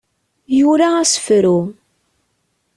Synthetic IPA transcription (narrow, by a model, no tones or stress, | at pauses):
juɾaæsə̥fɾu